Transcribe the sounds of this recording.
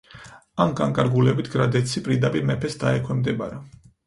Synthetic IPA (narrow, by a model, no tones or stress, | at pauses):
anɡaŋkʼaɾɡulɛbit̪ʰɡɾad̪ɛt̪sʰipʼɾiɾd̪apʼiɾmɛpʰɛsd̪aɛkʰwɛmd̪ɛbaɾa